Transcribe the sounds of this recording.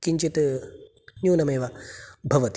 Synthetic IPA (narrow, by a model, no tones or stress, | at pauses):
kiɲt͡ʃit̪ | njuːnɐmeːʋabʱɐʋɐt̪i